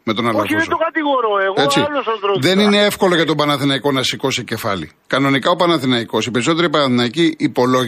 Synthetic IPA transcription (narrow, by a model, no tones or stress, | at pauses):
me̞t̪o̞nɐlɐfiest̪okɐt̪iɣoɾoeɣet͡silosɐd̪ɾoðe̞nine̞efko̞lo̞ʝɐt̪obɐnɐθinɐiko̞nɐsiko̞sice̞fɐ̰lḭ | kɐno̞nikɐo̞pɐnɐθinɐiko̞sipeɾiso̞t̪e̞ɾipɐnɐθinɐiciːpo̞lo̞ʝ